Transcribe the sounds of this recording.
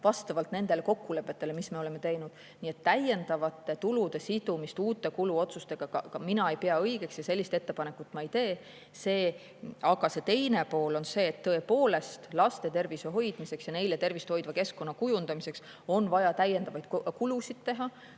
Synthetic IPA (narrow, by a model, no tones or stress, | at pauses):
vɑst̪ɑvɑlt̪ne̞nd̪̥e̞le̞ko̞kːule̞pˑːe̞t̪ːˑe̞le̞misme̞o̞leme̞t̪e̞jnud̪̥ | nie̞t̪ːæje̞nd̪̥ɑvɑt̪ːˑe̞t̪ulud̪̥e̞sid̪̥umist̪uːt̪ːˑe̞kuluo̞t̪sust̪e̞ɡ̥ɑkɑkɑminɑe̞jpeɑɤjɡ̥e̞ksjɑse̞lːist̪e̞t̪ːe̞pɑne̞kːˑut̪ːˑmɑejt̪e̞ː | se̞ː | ɑɡ̥ɑse̞t̪e̞jne̞po̞ːlo̞nse̞ːt̪ːɤ̞epo̞ːle̞st̪lɑst̪e̞t̪e̞rviseɦo̞jd̪̥mise̞ksjɑne̞jlet̪e̞rvist̪ho̞jd̪vɑke̞skko̞nːɑkujund̪ɑmise̞ks | o̞nvɑjɑt̪æjːe̞nd̪̥ɑvɑjd̪̥kkulusid̪̥t̪e̞ɦɑ